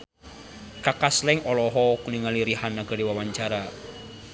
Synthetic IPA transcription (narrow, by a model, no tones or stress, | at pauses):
kakaslɛŋɔlɔɦɔkuniŋaliɾihanːaɡ̥əɾiwawaɲt͡ʃaɾa